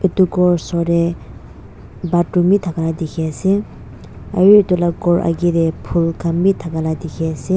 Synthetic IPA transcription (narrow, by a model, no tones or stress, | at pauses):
et̪uɡɔɹsɔɾe | batumit̪ʰakalad̪ikʰese | ajit̪ulaɡɔɹʔa̰ɡiɾepʰulkʰambit̪ʰakalad̪ikʰese